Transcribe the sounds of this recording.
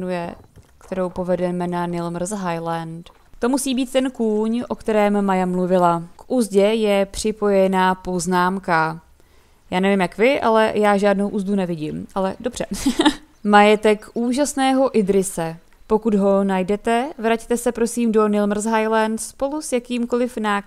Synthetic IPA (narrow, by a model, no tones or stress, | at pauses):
nujɛkt̪ɛɾo̞wpo̞vɛdɛmɛnanɪlmr̩zɦajlant̪ | t̪o̞musiːbiːt̪̚t̪ɛnkuːɲʔo̞kt̪ɛɾɛːmːajamluvɪlakʔuzɟɛjɛpr̝̥ɪpo̞jɛnaːpo̞znaːmka | jaːnɛvɪmjakvɪʔa̰lɛ̰jaːʒaːdno̞wʔuːzdunɛvɪɟɪmʔalɛdo̞br̝ɛ | majɛt̪ɛkʔuːʒasnɛːɦo̞ʔɪdɾɪsɛ | po̞kud̪ɦo̞najdɛt̪ɛvɾact̪ɛsɛpɾo̞siːmdo̞nɪlmr̩zɦajlant̪spo̞lusjakiːmko̞lɪfnaː